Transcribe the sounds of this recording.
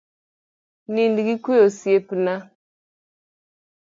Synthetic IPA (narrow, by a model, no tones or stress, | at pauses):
nindiɡikʷeosiepina